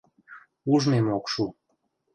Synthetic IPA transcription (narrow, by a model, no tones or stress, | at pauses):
uʒmemokʃu